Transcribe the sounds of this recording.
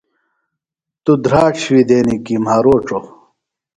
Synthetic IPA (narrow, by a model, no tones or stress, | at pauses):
t̪ud̪ɾaːʈ͡ʂʰwid̪eːnikimaɾoːʈ͡ʂo